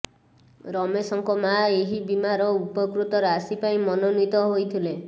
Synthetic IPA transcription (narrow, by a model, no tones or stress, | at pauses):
ɾɔmesɔŋkɔmaeɦibimaɾɔupɔkɾut̪ɔɾasipaĩmɔnonit̪ɔɦojt̪ʰile